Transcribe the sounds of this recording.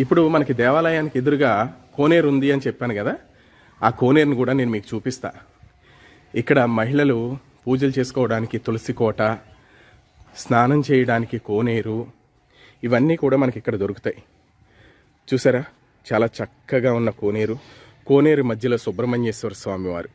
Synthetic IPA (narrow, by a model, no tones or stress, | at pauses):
ipːuɽumɐnɐkid̪ɛːʋaːlɐjaːniked̪uɾuɡaːko̞ːneːɾund̪iɐnit͡ʃɛpːaːnuɡɐd̪aː | aːko̞ːneːɾunikuːɽaːne̞ːnumiːku̥t͡ʃuːpist̪a̰ː | ikːɐɽɐmɐɦiɭɐlu | puːd͡ʒɐlut͡ʃe̞ːsu̥kɔːʋɐɽaːnikit̪olisikɔːʈɐ | snaːnɐmt͡ʃɛːjɐɽaːnikikoːneːɾu | iʋɐnːiːkuːɽaːmɐnɐkikːɐɽɐd̪o̞ɾuku̥t̪aːji | t͡ʃuːsaːɾaː | t͡ʃaːlaːt͡ʃɐkːɐɡaːunːɐkoːne̞ːɾu | ko̞ːne̞ːɾumɐd̪ʱjɐlo̞ːsɔbɾɐmɐɲt͡ʃeːsɛʋɐːɾsʋaːmiʋa̰ːɾu